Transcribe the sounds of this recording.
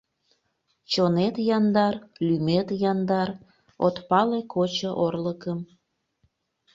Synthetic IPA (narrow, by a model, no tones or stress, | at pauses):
t͡ɕonet̪jɑnd̪ɑrlymet̪jɑnd̪ɑr | ot̪pɑlekʰot͡ɕəʔorləkəm